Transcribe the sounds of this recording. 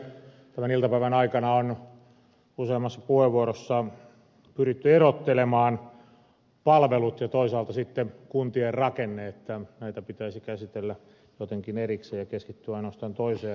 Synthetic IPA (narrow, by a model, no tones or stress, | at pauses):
t̪æmænilt̪ɑpæiʋænɑikɑnɑon | useːmːˑɑsːɑpuheʋːuorosːɑ | pyrit̪ːyerot̪ːelemɑːn | pɑlʋelut̪jɑt̪oisɑːlt̪ɑsit̪ːekunt̪ierrɑkenːeet̪ːænæit̪æpit̪æisikæsit̪elːæ | jot̪eŋkinerikseːjɑkeskit̪ːyɑinoɑst̪ɑːnt̪oiseː